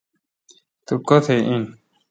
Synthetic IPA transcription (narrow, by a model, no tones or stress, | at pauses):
t̪ukot̪ʰeʔĩ